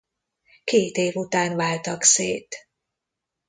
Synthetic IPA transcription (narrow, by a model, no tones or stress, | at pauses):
keːt̪eːvut̪aːnvaːlt̪ɒkseːt̪